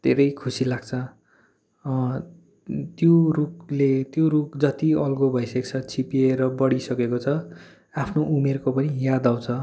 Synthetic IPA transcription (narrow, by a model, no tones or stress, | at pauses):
d̪ʱeɾʌjkʰusilaɡ̚t͡sʰʌ | t̪joruk̚let̪jorukd͡zʌt̪iʌlɡobʱʌjsek̚t͡sʰʌt͡sʰipieɾʌbʌɽisʌkekot͡sʰʌ | apʰnoʔumerkopʌnijad̪aw̃t͡sʰʌ